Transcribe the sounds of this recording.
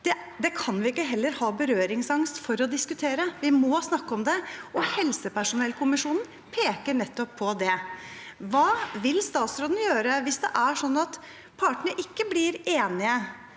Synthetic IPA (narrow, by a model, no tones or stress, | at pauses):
d̪̥ɛ | d̪ɛkʰɑnʋɪɪkːəɦɛlːəɾhɑːbəɾøːɾɪŋsɑŋst̪fɔɾɔd̪ɪskʉt̪ʰeːɾəʋɪmɔsnɑkːɔmd̪ɛɔhɛlsəpæʂʊnɛlkʰʊmɪʂuːnn | pʰeːkəɳɛt̪ːɔpʰːɔd̪ɛ | ʋɑːʋɪlst̪ɑːt̪sɾoːd̪n̩jøːɾəʋɪsd̪ɛʔæʂɔnːɑt̪ | pʰɑʈəɳəʔɪkːəblɪɾeːnɪə